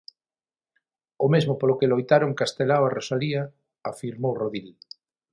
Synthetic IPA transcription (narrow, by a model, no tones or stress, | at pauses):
omezmʊpolokelojt̪aɾoŋkast̪elawarosalia | afiɾmowroðil